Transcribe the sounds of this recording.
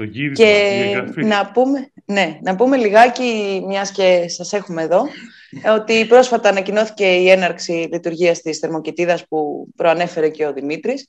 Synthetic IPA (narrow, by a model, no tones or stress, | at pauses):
ce̞ | nɐpumene̞nɐpume̞liɣɐcimɲɐsce̞sɐse̞xume̞ːðo̞ | o̞t̪ipɾo̞sfɐt̪ɐːnɐcino̞θi̥ce̞ie̞nɐɾksilit̪uɾʝiɐst̪isθe̞ɾmo̞cit̪iðɐspupɾo̞ɐne̞fe̞ɾe̞ce̞o̞ðimit̪ɾis